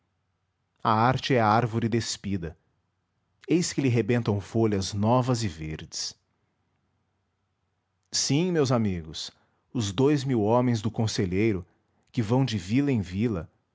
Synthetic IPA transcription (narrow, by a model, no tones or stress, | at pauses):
ɐaɾt͡ʃɪɛɐaɾvoɾɪd̪espid̪ɐ | ejskɪlɪɦebẽnt̪ɐ̃w̃folɐznɔvɐzɪveɾd͡ʒɪs | sĩmewzamiɡʊs | ʊzd̪ojzmiwõmẽj̃zd̪ʊkõseʎejɾʊ | kɪvɐ̃w̃d͡ʒɪvilɐẽj̃vilɐ